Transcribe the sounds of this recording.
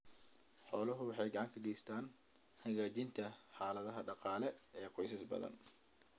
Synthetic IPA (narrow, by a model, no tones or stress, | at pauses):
ħɔːlɐɦʊwɑħɑjɡɑʕɑŋkʰɐɡɛjst̪ʰaːn | hɐɣaːt͡ʃɪnt̪ʰɐħaːlɐðɐɦɐɖɑqɑːlɛɛːqɔjsɐsbɐ̰ðɐ̰n